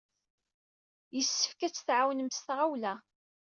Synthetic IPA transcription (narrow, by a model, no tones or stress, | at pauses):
jəsːə̥fkæt͡sːθʕawnəmst̪ʁawlæ